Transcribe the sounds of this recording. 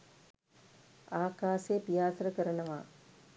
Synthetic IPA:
aːkaːsepijaːsəɾəkəɾənəʋaː

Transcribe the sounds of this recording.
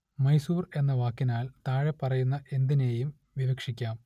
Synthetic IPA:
mɐjsuːre̞nːɐʋaːkːinaːlt̪aːɻepːɐrɐjunːɐʔe̞nd̪ine̞ːjum | ʋiʋɐkʂikʲːaːm

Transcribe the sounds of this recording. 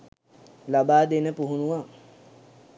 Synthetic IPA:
labaːd̪enəpuɦunuʋa

